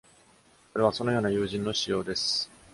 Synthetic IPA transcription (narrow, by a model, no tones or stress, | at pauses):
oɾe̞β̞aso̞no̞joːnajɯːʑĩnːo̞ɕijo̞ːd̪esɨ̥